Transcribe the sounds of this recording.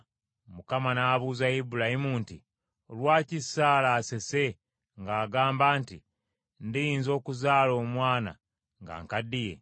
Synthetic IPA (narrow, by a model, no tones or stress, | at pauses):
mukamanaːβuːzaibulahimunti | olwaːcisaːlaːse̞se̞ | ŋɡaːɡaːmbaːnti | ndijiːnzo̞ːkuzaːlo̞ːmwaːna̰ | ŋɡa̰ːŋkadije̞̰